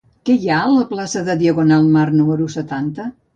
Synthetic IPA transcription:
kɛjaləplasəðəðiəɣunalˠmarnuməɾusət̪ant̪ə

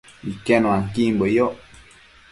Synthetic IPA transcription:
ikɛnw̃aŋkimbojo

